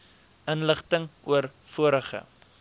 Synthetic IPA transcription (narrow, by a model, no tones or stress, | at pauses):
ənləχtəŋuəɾfuəɾəχə̰